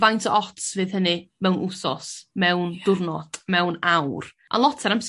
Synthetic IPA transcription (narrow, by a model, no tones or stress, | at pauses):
vajntʰəʔɔtsvɨːðhənɨmɛwnʔusɔsmɛwndʊrnɔtʼmɛwnawr | ʔa̰lˠɔtʰɛɾams